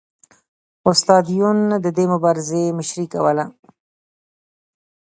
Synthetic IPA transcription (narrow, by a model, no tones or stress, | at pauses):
ʊst̪ɑd̪ijund̪əd̪emʊbɑɾɪzemɪʃɾikawəla